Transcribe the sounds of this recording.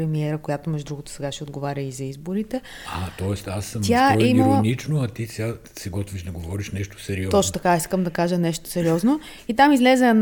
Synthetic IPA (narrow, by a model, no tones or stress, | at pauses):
ɾɛmiɛɾəkojat̪omɛʒʊd̪ɾuɡot̪ʊ̥sɛɡaʃɛod̪ɡovaɾʲəizɐizboɾit̪ɛ | at̪ɔɛst̪asːəmt̪jaɛiimɐlˠɐənit͡ʃnoɐt̪isʲa | sɛɡɔt̪viʃd̪ɐɡovɔɾiʃnɛʃt̪o̥sɛɾiɔɔt͡ʃnot̪ɐkaiskəmd̪ɐkaʒənɛʃt̪o̥sɛɾiɔzno | it̪amizlɛzɛɛn